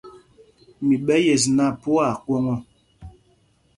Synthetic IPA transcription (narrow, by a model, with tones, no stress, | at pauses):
mi˨ɓɛ˦je˨s̬na˦pu˦a˨kwɔ˦ŋɔ˦